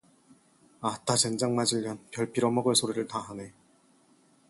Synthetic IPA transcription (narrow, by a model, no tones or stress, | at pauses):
atat͡ɕend͡ʑaŋmad͡ʑiʎːʌnpjʌɭpʰiɾʌmʌɡɯɭsʰoɾiɾɯɭtaɦane̞